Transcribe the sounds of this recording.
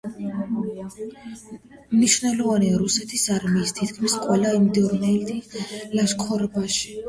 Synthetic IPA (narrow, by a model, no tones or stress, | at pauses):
mniʃvnɛlˠɔvaniaɾusɛt̪ʰisaɾmiːst̪ʰit̪kʰmisqʼwɛlaimd̪ɔɾnɛld̪ilaʃkʰɔɾbaʃi̥